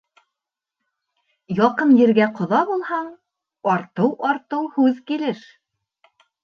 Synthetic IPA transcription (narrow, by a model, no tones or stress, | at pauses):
jɑqɤnjɘ̆ɾɡæqŏðɑbulˠhɑɴ | ɑɾt̪ɤwʔɑɾt̪ɤwhʉðkilɘʃ